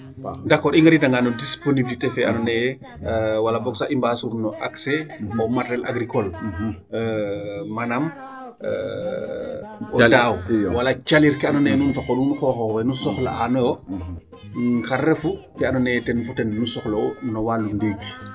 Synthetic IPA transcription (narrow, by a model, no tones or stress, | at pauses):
ndaxkːɔɾiŋɡɐɾidaŋɡanɔdisponibilitefɛanɔnɛj | walabɔksaʔimbasuɾnɔʔakseɔmatɾɛla̰ɡɾikɔl | manam̰ | ɔdawwalat͡ʃaliɾkɛanɔnɛnunfakɔlunuxɔxɔwɛnusɔxla̰anɔjɔ | ŋkarɛfufɛanɔnɛtɛnfutɛnːusɔxlownɔwalundiːk